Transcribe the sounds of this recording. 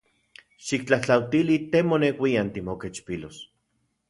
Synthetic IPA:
ʃik̚t͡ɬaht͡ɬawt̪ilit̪emonewʷiant̪imoket͡ʃpilos

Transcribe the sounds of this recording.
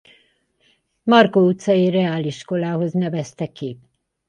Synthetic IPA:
mɒrkout̪sɒirɛaːliʃko̞laːɦo̞znɛvɛst̪ɛkːi

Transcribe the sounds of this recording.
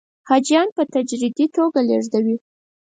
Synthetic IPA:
hɑd͡ʒjɑnpət̪ad͡ʒɾid̪it̪oɡaleʐd̪awi

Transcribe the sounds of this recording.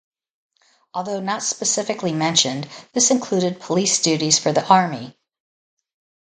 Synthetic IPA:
ɔlˠðoʊnətspɨsɪfɨklimɛ̃nʃɨ̃nðɪsɨ̃nkʰl̥ʉɾɨd̚pʰəlisd̥ʉɾiz̥fə˞ðiʔɑɹmi

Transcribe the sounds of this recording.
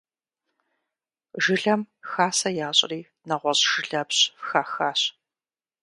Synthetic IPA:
ʒɨɮɐmxaːsɐjaːɕʼriː | nɐʁʷɔɕʼʒ̥ɪɮɐpɕxaːxaːɕ

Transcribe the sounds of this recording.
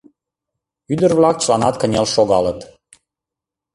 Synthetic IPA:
yd̪ərvlɑk̚t͡ɕəlˠɑnɑt̪kənʲelʃoɣɑlət̪

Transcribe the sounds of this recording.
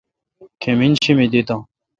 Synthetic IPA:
kʰeminɕimid̪it̪ã

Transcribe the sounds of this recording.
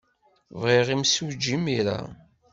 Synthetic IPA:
vʁiʁimsud͡ʒːimiɾa̰

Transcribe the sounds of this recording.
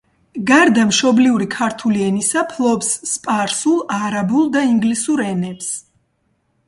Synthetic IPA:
ɡaɾd̪amʃɔbliuɾikʰaɾt̪ʰuliɛnisapʰlˠɔbsːpʼaɾsulˠaɾabulˠd̪aiŋɡlisuɾɛnɛps

